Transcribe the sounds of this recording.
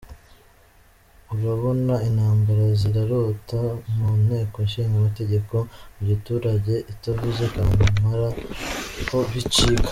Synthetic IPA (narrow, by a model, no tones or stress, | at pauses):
uɾaβo̞nainhaːmbaɾaziɾaɾotamumhe̞ːkonʃiŋɡamate̞ɟe̞ko̞muɟutuːɾaɟe̞ʔitavuzekaŋamaɾa | ko̞βit͡ʃiɡḁ